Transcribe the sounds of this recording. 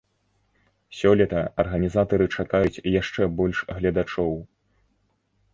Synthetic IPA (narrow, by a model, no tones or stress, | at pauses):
sʲɔlʲɛt̪ɐɐrɣɐnʲizat̪ɐɾɨt͡ʂakajut͡sʲjaʂt͡ʂɛbɔlʲʂɣlʲɐd̪at͡ʂɔw